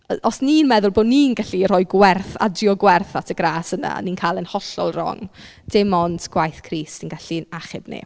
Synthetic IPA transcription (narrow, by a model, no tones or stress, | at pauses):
ɔsninmɛðʊlˠboːninɡaɬiɾɔɨɡwɛrθa̰driɔɡwɛrθatʰəɡraːsəna̰niːnkʰaːlˠənhɔɬɔ̰lˠrɔ̰ŋ | d̥ɪmɔndɡ̥wajθkʰriːsinɡaɬinaχɪbnḛ